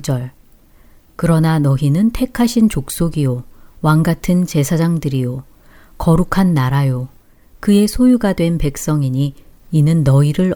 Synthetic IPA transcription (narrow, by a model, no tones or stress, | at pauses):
d͡ʑʌɭ | kɯɾʌnanʌɦinɯntʰe̞kʰaɕʰint͡ɕok̚s͈oɡijowaŋɡatʰɯnt͡ɕe̞sʰad͡ʑaŋdɯɾijo | kʌɾukʰanːaɾajo | kɯe̞sʰojuɡadwe̞npe̞k̚s͈ʌŋiɲiːnɯnːʌiɾɯɭ